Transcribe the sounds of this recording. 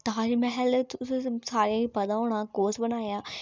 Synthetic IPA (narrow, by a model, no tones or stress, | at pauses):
t̪aɦaːɾimɛɦɛlssaːɾijãːiːpɐd̪ãːɦoːɽ̃ãːkoːsbənaːjãː